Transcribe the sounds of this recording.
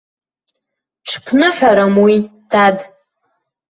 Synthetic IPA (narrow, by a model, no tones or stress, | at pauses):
ʈ͡ʂʰpʰnɨħʷᶣaɾamwid̥ad